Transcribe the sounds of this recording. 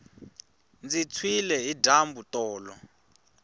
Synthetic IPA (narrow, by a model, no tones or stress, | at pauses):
nd͡zit͡sʰwilɛidambutɔːlɔ